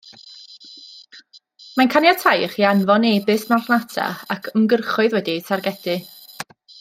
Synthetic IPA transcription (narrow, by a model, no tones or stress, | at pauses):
mankʰanjatʰajχianvɔneːbɨsmarnatʰa̰akʰəmɡərχʊɨðwɛdisarɡɛd̥ɨ